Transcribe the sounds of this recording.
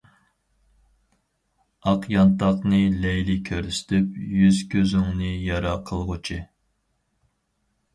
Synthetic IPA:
ɑqjɑnt̪ɑqnɨlɛjlɪkʲʰøɾsɪ̥t̪ʰypjyz̥kʲʰøzyŋnɨjɑɾɑqʰəlˠʁʊt͡ʃʰɨ

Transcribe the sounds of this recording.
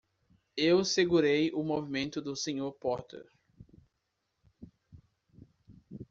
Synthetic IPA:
ewseɡuɾejʊmovimẽnt̪ʊd̪ʊsẽɲoɾpɔɾt̪ḛɾ

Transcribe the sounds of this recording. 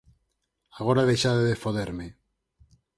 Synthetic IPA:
aɣ̞oɾaðejʃaðeðefoðeɾme

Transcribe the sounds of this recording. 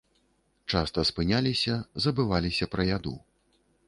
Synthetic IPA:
t͡ʂast̪ɐspɨnʲalʲisʲɐzɐbɨvalʲisʲɐpɾɐjad̪ṵ

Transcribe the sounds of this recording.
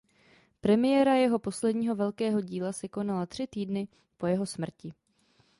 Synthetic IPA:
pɾɛmɪjɛːɾajɛɦo̞po̞slɛdɲiːɦo̞vɛlkɛːɦo̞ɟiːlasɛko̞nalat̪r̥ɪt̪iːdnɪ | po̞jɛɦo̞smr̩cɪ

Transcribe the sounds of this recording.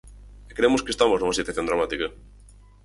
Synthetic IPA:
ekɾemoskest̪amoznũŋɐsit̪aθjond̪ɾamat̪ikɐ

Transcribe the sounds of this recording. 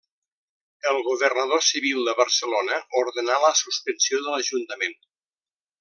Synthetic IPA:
əlˠɣuβərnəð̞osiβilˠd̪əβərsəlonəuɾðənaləsuspənsioðələʒunt̪əmen

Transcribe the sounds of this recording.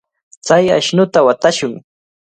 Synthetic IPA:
t͡saja̰ʃnʊt̪awat̪aʃʊŋ

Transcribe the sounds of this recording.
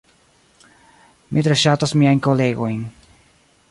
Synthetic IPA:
mʔit̪ɾeʃatosmiajnkoleɡo̞jn

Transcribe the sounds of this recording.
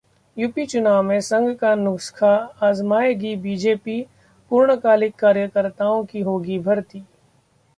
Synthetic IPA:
jupit͡ʃʊnaːʋmẽsɐ̃ŋɡkanʊkskʰaaːzmaːjɡibiːd͡ʒeːpi | puːɾɳəkaːlɪkːaːɾjəkəɾt̪aːõkiɦoːɡibʱɐɾt̪iː

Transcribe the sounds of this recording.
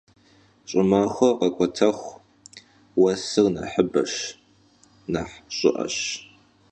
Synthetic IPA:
ɕʼɪmaːxʷɔqɐkʷʼɔtʰɐχʷ | wɐsɨrnɐ̰ħəbɐɕ | naħɕʼɪʔɐ̰ɕ

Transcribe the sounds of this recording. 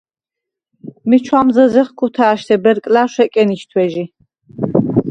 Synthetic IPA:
mit͡ʃʰwamzɐzɛχkʰut̪ʰaːʃt̪ʰɛbɛɾkʼlaːʃʷɛkʼɛniʃt̪ʰwɛʒi

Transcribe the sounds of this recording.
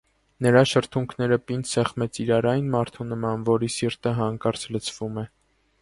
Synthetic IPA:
nəɾɑʃəɾt̪ʰuŋkʰnɛɾəpind̪sɛχmɛt͡sʰiɾɑɾɑjnmɑɾt̪ʰunəmɑnvɔɾisiɾt̪əɦɑŋkɑɾt͡sʰlət͡sʰv̥umɛ

